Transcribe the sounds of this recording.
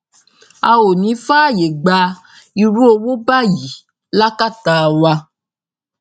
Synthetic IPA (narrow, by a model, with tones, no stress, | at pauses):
a˧wo˨nĩ˨˦fa˦˨je˨ɡ͡ba˧ | i˧ɾu˦o˧wo˦ba˦˨ji˨˦ | la˦ka˦˨ta˧wa˧